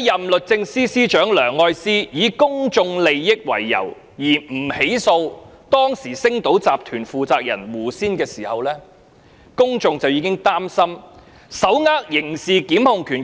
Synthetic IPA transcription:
jɐ˨mlɵ˨t̚t͡sɪ˧ŋsiː˥siː˥t͡ʃœː˨˥ŋlœː˨˩ŋːɔː˧jsiː˥jiː˨˧kʊ˥ŋt͡sʊ˧ŋle˨jːɪ˥k̚wɐ̰˨˩jːɐ̰˨˩w | jiː˨˩m̩˨˩he˨˥jso˧wt̪ɔː˥ŋsiː˨˩sɪ˥ŋt̪o˨˥wt͡saː˨p̚t̪ʰyː˨˩nfuː˨˧t͡saː˧k̚jɐ̰˨˩nwuː˨˩siː˥nkɛː˧siː˨˩hɐ˨wlɛː˥ | kʊ˥ŋt͡sʊ˧ŋt͡sɐ˨wjiː˨˧˥kɪ˥ŋt̪aː˥msɐ˥m | sɐ˨˥wŋaː˥k̚jɪ˨˩ŋsiː˨kiː˨˥mhʊ˨˧ŋkʰyː˨˩n

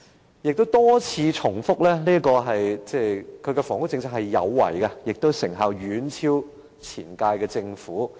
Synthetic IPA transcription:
jɪ˨k̚t̪o˥wt̪ɔː˥t͡sʰiː˧t͡sʰʊ˨˩ŋfʊ˥k̚lɛː˥liː˥kɔː˧ɦɐ˨jt͡sɛː˥˩kʰɵ˨˧ɥkɛ˧fɔː˨˩ŋʊ˥t͡sɪ˧ŋt͡sʰaː˥khɐ˨jːɐ̰˨˧wːɐ̰˨˩jkɐ˧jɪ˨k̚t̪o˥wsɪ˨˩ŋɦaː˨˧wjyː˨˥nt͡sʰiː˥w | t͡sʰḭː˨˩nkaː˧jkɛː˧t͡sɪ˧ŋfuː˨˥

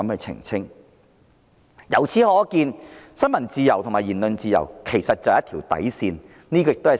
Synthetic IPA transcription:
ɐ˨˦mkɛ˧t͡sʰɪ̰˨˩ŋt͡sʰɪ˥ŋ | jɐ˨˩wt͡sʰiː˨˥hɔː˨˥kiː˧nsɐ˥nmɐ˨˩nt͡siː˧jɐ˨˩wt̪ʰʊ˨˩ŋmaː˨˩jiː˨˩nlɵ˨nt͡siː˧jɐ̰˨˩wkʰe˨˩jsɐ˨t̚t͡sɐ˨wjɐ˥t̪ʰiː˨˩wt̪ɐ̰˨˥jsiː˧n | niː˥k̬ɔ˧ɪ˨kt̪o˥ɐ˨˩

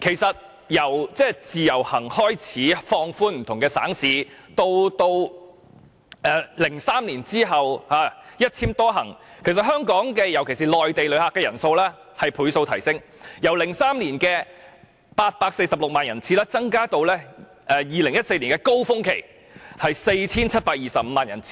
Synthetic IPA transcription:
kʰe˨˩jsɐ˨t̚ | jɐ˨˩wt͡sɛː˥˩t͡siː˨˧jɐ˨˩whɐ˨˩ŋhɔː˥jt͡sʰiː˨˥fɔː˧ŋfuː˥nm̩˨˩t̪ʰʊ˨˩ŋkɛː˧sa̰ː˨˥ŋsiː˨˧t̪o˧wt̪o˧w | ʔɛː˨˧lɪ˨˩ŋsaː˥mliː˨˩nt͡siː˥ɦɐ˨whaː˨˧jɐ˥t̚t͡sʰiː˥mt̪ɔː˥ɦɐ̰˨˩ŋ | kʰe˨˩js̬ɐ˨t̚hœː˥ŋkɔː˨˥ŋkɛː˧jɐ˨˩wkʰe˨˩jsiː˨˩lɔː˨jt̪e˨jlɵ˨˧ɥhaː˧kːɛː˧jɐ̰˨˩nso˧wlɛː˥ | hɐ˨jpʰuː˨˥jso˧wt̪ʰɐ˨˩jsɪ˥ŋjɐ˨˩wlɪ˨˩ŋsaː˥mliː˨˩nkɛː˧ | paː˧t̚paː˧k̚se˧jsɐ˨p̚lʊ˨k̚maː˨njɐ˨˩nt͡sʰiː˨˥lɛː˥t͡sɐ˥ŋkaː˥t̪o˧wlɛː˥ | ʔɛː˨˩jiː˨˧lɪ˨˩ŋjɐ˥t̚se˧jli˨˩kɛː˧ko˥wfʊ˥ŋkʰe˨˩j | hɐ˨jse˧jt͡sʰiː˥nt͡sʰɐ˥t̚paː˧k̚jiː˨sɐ˨p̚m̩ː˨˧maː˨njɐ˨˩nt͡sʰi̥ː˧˥

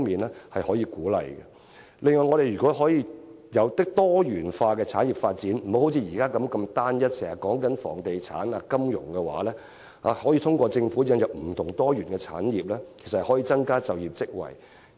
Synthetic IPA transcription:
ŋmiː˨nlɛː˥hɐ˨jhɔː˨˥jiː˧kuː˨˥lɐ̰˨jkɛ̰˧ | lɪ˨˧ŋɔː˨jŋɔ˨˧ɾe˨jyː˨kɔː˨˥ɦɔː˨˥jiː˧jɐ˨˧wt̪ɪ˥k̚t̪ɔː˥jyː˨˩nfaː˧kɛː˧t͡sʰaː˨˥nji˨p̚faː˧t̚t͡siː˨˥nm̩˨˩ho˨˥who˨˥wt͡sʰi˧jiː˨˩kaː˥kɐ˨˥mkɐ˧mt̪aː˥njɐ˥t̚sɛː˨˩ŋhɐ˨˩kːɔː˨˥ŋkɐ˨˥nfɔ̰ː˨˩ŋt̪e˨jt͡sʰa̰ː˨˥naː˨kɐ˥mjʊ̰˨˩ŋkɛ˧wa̰ː˨˥lɛː˥ | a̰ː˨˧hɔː˨˥jiː˧t̪ʰʊ˥ŋkʷɔː˧t͡sɪ˧ŋfu˨˥jɐ˧njɐ˨p̚m̩˨˩t̪ʰʊ˨˩ŋt̪ɔː˥jyː˨˩nkɛ˧t͡sʰa̰ː˨˥njiː˨˩p̚lɛː˥kʰe˨˩sɐ˨hɐ˨˩hɔː˨˥jiː˨˧t͡sɐ˥ŋkaː˥t͡sɐ˨wjiː˨˩p̚t͡sɪ˥k̚wɐ̰˨˩j

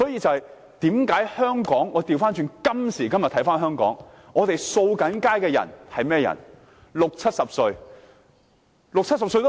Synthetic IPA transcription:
sɔː˨˥jiː˧t͡sɐ˨whɐ˨j | t̪iː˨˥mkaː˨˥jhœː˥ŋkɔː˨˥ŋɔː˨˧t̪iː˨wfaː˥nt͡ʃyː˧nkɐ˥msiː˨˩kɐ˥mjɐ˨t̪ʰɐ˨˥jfaː˥nɦœː˥ŋkɔ̰ː˨˥ŋ | ŋɔː˨˧t̪e˨jso˧wkɐ˨˥nkaː˥jkɛː˧jɐ̰˨˩nhɐ˨jmɛː˥˩˨jɐ̰˨˩n | lʊ˨k̚t͡sʰɐ˥t̚sɐ˨p̚sɵ˧ɥ | lk̚t͡sʰɐ˥t̚sɐ˨psɵ˧jt̪

